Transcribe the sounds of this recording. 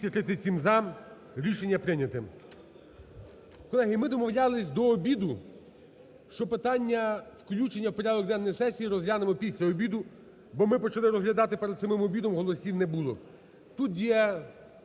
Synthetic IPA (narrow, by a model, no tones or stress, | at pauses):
ɐt̪ɾɪt̪ɪsʲimzɑ | ɾʲiʃenʲːɐpɾɪnʲɐt̪ɪ | kɔlˠɛɦɪmɪd̪ɔmɔwlʲɑlˠɪsʲd̪ɔːbʲid̪ʊ | ʃt͡ʃɔpɪt̪ɑnʲːɐwklʲut͡ʃenʲːɐwpɔɾʲad̪ɔkd̪ɛnːɔjsɛsʲijːɾɔzɦlʲanɪmɔpʲisʲlʲɐɔbʲid̪ʊ | bɔmɪpɔt͡ʃɐlˠɪɾɔzɦlʲɐd̪ɑt̪ɪpeɾɐsɪmɪmɔbʲid̪ɔmɦɔlˠɔsʲiwnɛbulˠɔ̰ | t̪ut̪jɛ